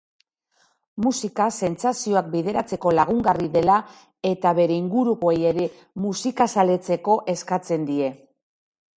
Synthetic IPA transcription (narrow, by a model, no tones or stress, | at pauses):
musikase̞nt͡sasio̞ak̚biðe̞ɾat͡se̞ko̞laɣ̞uŋɡariðe̞la | e̞t̪aβe̞ɾe̞iŋɡuɾuɣo̞ejeɾe̞ | musikasale̞t͡se̞ko̞ʔe̞skat͡se̞nd̪ie̞